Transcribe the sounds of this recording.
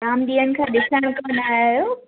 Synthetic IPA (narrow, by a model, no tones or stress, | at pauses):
ɾaːmɗiːənɪ̆kʰãːɗɪsəɽ̃kanaːɦo